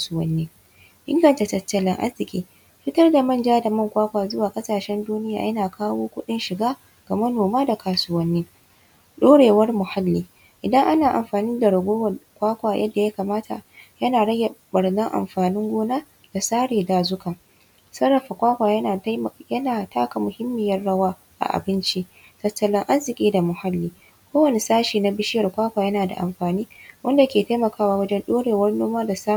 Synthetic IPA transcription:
ka˨sʊ˦wɐ˦nːiː˦ | ʔɪ̰˦ŋɡɐ˨nta˨tɐ˨tːɐ˦lɪ˦ŋʔa̰˦zɪ˨kʲʼiː˦ | ɸɪ˦tɐ˦rda˨mɐ˦˨nd͡ʒaː˦da˨mɐ˦˨ŋkʷaː˦kʷaː˨zʊ˦waː˨kʼɐ˦saː˨ʃɛ˦nduː˦nɪ˦ja̰ː˨jɐ˦naː˨kaː˦woː˦kʷʊ˦ɗɪ˦nʃɪ˨ɡaː˦ | ɡ̥a˨mɐ˦noː˨maː˦da˨kʰaː˨sʊ˦wɐ˦nːiː˦ | ɗoː˦ɽeː˨wɐ˦rmʊ˨ha˦lːiː˦ | ʔɪ˨dɐ˦ŋʔa˦naː˨ʔa˨mɸaː˨niː˦da˨ɽɐ˨ɡʷoː˦wkʷaː˦kʷaː˨jʔɐ̰˦dːa˨ja˦kaː˨maː˦tʰa̰˨jɐ˦naː˨ɽɐ˦ɡʲa˨bɐ˨ɽnɐ˦ŋʔa̰˨mɸaː˨nɪ˦ŋɡʷoː˦naː˦ | d̥a˨saː˦ɽeː˨daː˨zʊ˦kaː˨ | sɐ˦ɾɐ˨ɸa˨kʷaː˦kʷaː˨jjɐ˦naː˨tʰaː˦ka˨mʊ˨hɪ˦mːɪ˨jɐ˦rɽɐ˦waː˦ | ʔa̰˨ʔa̰˨bɪ˦nt͡ʃi˦ | tɐ˦tːɐ˨lɪ˦ŋʔa˦zɪ˨kʲʼiː˦da˨mʊ˨ha˦lːiː˦ | kʷoː˦wɐ˨ne˦saː˦ʃiː˨na˦bɪ˦ʃɪ˦jɐ˨rkʷaː˦kʷaː˨jɐ˦naː˨da̰˨ʔa̰˨mɸaː˨niː˦wʔɐ˦nda˨kʲeː˨ta˦jmɐ˨kaː˦waː˦wɐ˦d͡ʒɛ˦nɗoː˦ɽeː˨wɐ˦rnoː˦maː˦da˨sa˦

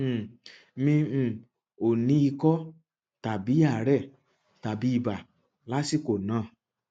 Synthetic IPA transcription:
mĩ˧˨ | o˨nĩ˧˦i˧kɔ˦ | ta˨bi˨˦a˦˨˦ɾɛ˦˨ | ta˨bi˨˦i˦˧ba˨ | la˨˦si˦˨ko˨nãː˨˦˨

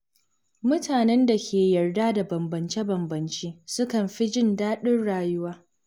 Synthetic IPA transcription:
mʊ˦taː˨nɛ˦nda˨kʲʰeː˨jɐ˨rdaː˦da˨bɐ˨mbɐ˨nt͡ʃe˦bɐ˨mbɐ˨nt͡ʃeː˦sʊ˦kɐ˨mɸi˦d͡ʒɪ˦ndaː˦ɗɪ˦rɽaː˦jʊ˦waː˦

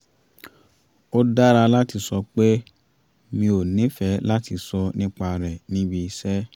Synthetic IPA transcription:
o˦da˦ɾa˧la˦ti˧sɔ˧k͡pe˦ | mĩ˧o˨nĩ˨˦fɛ˨˦la˦ti˧sɔ˧nĩ˦k͡pa˧ɾɛ˨nĩ˨˦bi˧i˧sɛ˦

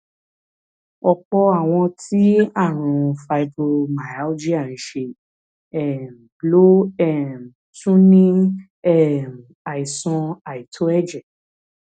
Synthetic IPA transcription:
ɔ˧k͡pɔ˧a˨w̃ɔ̃˧tʰi˦a˦˨ɾ̃ũ˨fa˧i˧bo˧ma˨ja˨˦d͡ʒi˦a˦˨ñ̩˨ʃe˧ | ɛ˦˨m˨blo˦ɛ˦˨m˨ | tũ˦nĩ˦ | ɛ˦˨m˨a˨i˨sɔ̃˧a˨i˨tʰo˨˦ɛ˦˨d͡ʒɛ˨

